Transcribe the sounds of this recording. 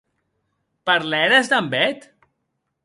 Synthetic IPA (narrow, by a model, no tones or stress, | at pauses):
paɾlɛɾezd̪ambɛt̪